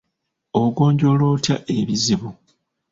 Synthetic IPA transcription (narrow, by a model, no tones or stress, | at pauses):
oɡo̞ːɲɟolo̞ːtjaʔe̞βiziβu